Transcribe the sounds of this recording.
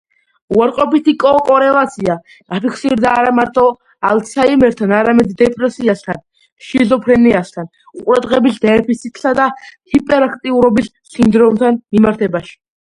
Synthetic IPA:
uwaɾqʼɔpit̪ʰikʼɔːkʼɔɾɛlat̪sʰia | apʰikʰsiɾd̪aːɾamaɾt̪ʼɔ | alsʰaimɛɾt̪ʰanaɾamɛd̪d̪ɛpʼɾɛsiast̪ʰan | ʃizɔpʰɾɛniast̪ʰan | uqʼɾad̪ʁɛbisd̪ɛɾpʰisit̪ʰsad̪ahipʼɛɾakʰt̪ʼiuɾɔbis | sind̪ɾɔmt̪ʰanmimaɾt̪ʰɛbaʃi̥

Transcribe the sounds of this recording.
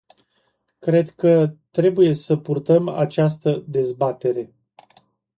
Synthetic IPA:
kɾe̞d̪kət̪ɾe̞buje̞səpurt̪əma̰t͡ʃast̪əd̪e̞zbat̪e̞ɾe̞

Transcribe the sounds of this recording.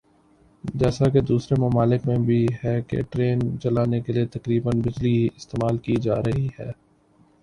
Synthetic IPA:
d͡ʒɛːsaked̪uːsɾemɐmaːlɪkmẽbʱiɦɛkḛʈɾeːnt͡ʃɐlaːnekeliet̪ɐkɾiːbənbɪd͡ʒliɦiɪst̪eːmaːlkid͡ʒa̰ːɾɐɦiɦɛː

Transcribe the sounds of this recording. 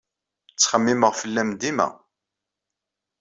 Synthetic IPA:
t͡sːχəmːiməʁfəlːæmd̪imæ̰

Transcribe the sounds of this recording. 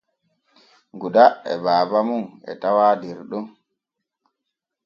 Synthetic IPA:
ɡuɗaɛ̰baːbamunɛ̰tawaːdɛɾɗun

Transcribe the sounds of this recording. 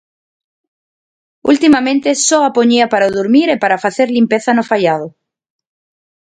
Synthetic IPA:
ṵlt̪imamẽ̞nt̪e̞soapoɲiapaɾaðuɾmiɾepaɾafaθeɾlimpeθanofajað̞o

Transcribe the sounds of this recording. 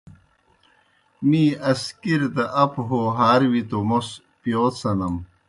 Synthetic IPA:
miːɐskiɾd̪ɐʔɐpɦoɦaːɾwit̪omos | pjoːt̪sɐnɐm

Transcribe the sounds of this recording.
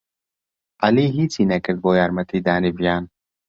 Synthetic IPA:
ɐliːɦiːt͡sinɛkɛd̪̚boːjaɾmɐt̪iːd̪aːnivjaːn

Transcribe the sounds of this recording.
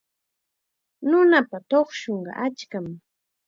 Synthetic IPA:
nʊnapat̪oχʃoɴɢɑ̰ʔat͡ʃkam

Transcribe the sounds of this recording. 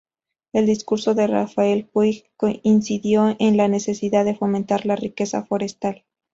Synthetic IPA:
e̞ld̪iskuɾso̞ðe̞ra̰fae̞lpwikoinsiðjo̞ʔenlane̞se̞siðaððe̞fo̞mẽnt̪aɾlarike̞sa̰fo̞ɾe̞st̪al

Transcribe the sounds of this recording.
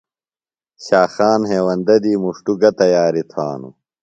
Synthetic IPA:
ɕaːxaːnɦeːwɐnd̪ɐd̪iːmuʂʈuɡɐt̪ɐjaːɾit̪ʰaːnṵ

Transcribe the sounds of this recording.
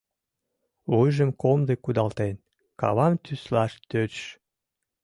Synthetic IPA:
βujʒəmkomd̪ekud̪ɑlt̪en | kɑ̰βɑmt̪yslɑʃt̪ø

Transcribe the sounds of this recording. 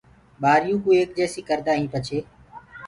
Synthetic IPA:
ɓaːɾɪjũːkuːeːk̚d͡ʒeːsiːkəɾd̪aːɦĩːpət͡ʃʰeː

